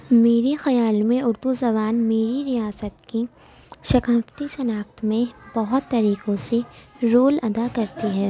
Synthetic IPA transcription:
meːɾixɐjaːlmẽʊɾd̪uzɐβaːnmeːɾiɾijaːsət̪ki | ʃɐkaːft̪isɐnaːxt̪mẽbɐɦʊt̪ːɐɾiːkõseɾoːlɐd̪akɐɾt̪iɦɛː

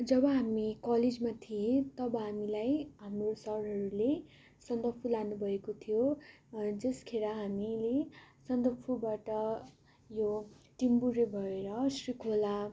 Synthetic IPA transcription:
d͡zʌbʌɦamikʌled͡zmat̪ʰiẽt̪ʌbʌɦamilajɦamrosʌɾɦʌɾule | sʌnd̪ʌpʰulanubʱʌekot̪ʰijo | d͡zʌskʰeɾaɦamilesʌnd̪ʌpʰubaʈʌ | joʈimbuɾebʱʌeɾʌsrikʰola

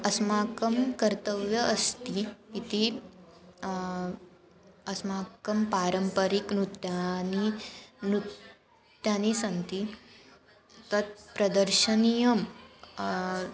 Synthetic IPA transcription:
ɐsmaːkɐmkɐɾt̪əʋjɐʔːst̪iːt̪i | ɐsmaːkɐmpaːɾəmpəɾiknut̪janinut | t̪jaːnisɐnt̪i | t̪ɐt̪̚pɾɐd̪əɾʃɐnijɐm

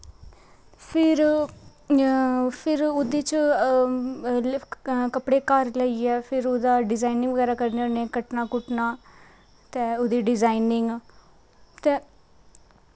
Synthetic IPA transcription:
pʰɪɾ | pʰɪɾʊd̪iːt͡ʃ | kəpɽeːkəɾləiːɛːpʰɪɾoːd̪aːɖɪzaːinɪ̃ŋɡʋəɡɛːɾaːkəɾneːonẽːkəʈnaːkʊʈnaː | t̪eːod̪iːɖɪzaːinɪŋɡ | t̪ẽː

